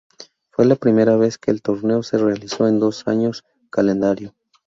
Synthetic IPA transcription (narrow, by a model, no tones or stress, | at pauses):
fwe̞lapɾime̞ɾaβ̞e̞ske̞ːlt̪o̞ɾne̞ose̞re̞aliso̞e̞nd̪o̞saɲo̞s | kale̞nd̪aɾjo̞